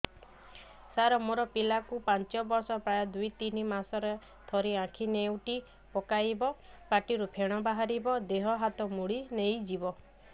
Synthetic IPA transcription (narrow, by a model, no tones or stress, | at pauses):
saɾɔmoɾɔpilakupant͡ʃɔbɔɾsɔpɾajɔd̪ujt̪inimasɔɾe | t̪ʰɔɾiãkʰinewʈi | pɔkajbɔ | paʈiɾupʰeɽ̃ɔbaɦaɾibɔd̪eɦɔɦat̪ɔmuɽinejd͡ʒibɔ